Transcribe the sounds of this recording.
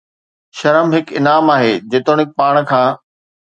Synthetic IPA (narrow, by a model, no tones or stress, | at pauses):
ʃɐɾəmɦɪkɪnaːmaːɦeːd͡ʑeːt̪oɽ̃ɪk̚paːɽ̃kʰãː